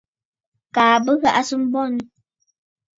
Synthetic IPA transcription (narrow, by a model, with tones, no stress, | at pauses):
kaː˨bə˦ɣa˦ʔa˦sɨ˦m̩˦bɔ˦˨n